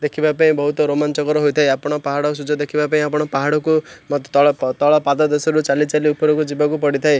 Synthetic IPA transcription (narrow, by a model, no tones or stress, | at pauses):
d̪ekʰibapaĩbɔɦut̪ɔɾomant͡ʃɔkɔɾɔɦojt̪ʰaeapɔɽ̃ɔpaɦaɽɔs̬ud͡ʒʱɔd̪ekʰibapaĩapɔɽ̃ɔpaɦaɽɔkumɔt̪t̪ɔɭɔt̪ɔɭɔpad̪ɔd̪ɔsɔɾut͡ʃalit͡ʃaliupɔɾɔkud͡ʒibakupɔɽit̪ʰae